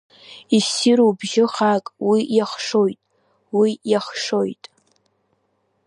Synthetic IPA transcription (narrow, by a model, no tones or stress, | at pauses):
isiɾowbʒɪχakʼwijaχʂo̞jtʼ | wijaχʂo̞jtʼ